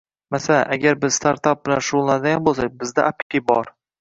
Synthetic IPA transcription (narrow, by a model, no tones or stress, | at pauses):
masalaʔaɡʲaɾbɪz̥st̪aɾt̪ap̚bɪlanʃʊʊlˠːaɾd̪ajambolˠsak̚ʲbɪzd̪aʔapɪ̥kʲʰɪbɒɾ